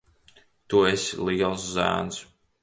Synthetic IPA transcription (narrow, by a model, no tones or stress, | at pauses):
t̪uesʲiliːɛlˠszæ̰ːns